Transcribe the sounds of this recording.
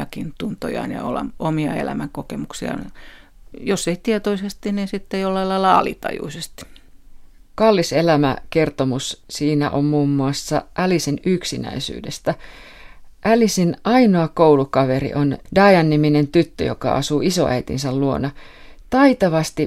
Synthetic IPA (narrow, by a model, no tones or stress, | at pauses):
ɑkint̪unt̪o̰jɑ̰injɑ̰o̰lɑ̰momiɑ̰ḛlæ̰mæŋkokemuksiɑ̰ | joseit̪iet̪oisest̪ininsit̪ːejolːɑilɑilːɑɑ̰lḭt̪ɑ̰jṵisest̪i̥ | kɑlːiselæmæke̞rt̪omussiːnæ̰ʔommuːmːuɑsːɑ̰ʔælisinyksinæ̰isy̰ːdest̪æ | ʔælisinʔɑinoɑkowlukɑʋeɾḭʔondɑːjɑnːiminent̪yt̪ːø̰jokɑ̰ɑ̰suːiso̰ʔæit̪ḭnsælluo̞nɑt̪ɑit̪ɑʋɑst̪i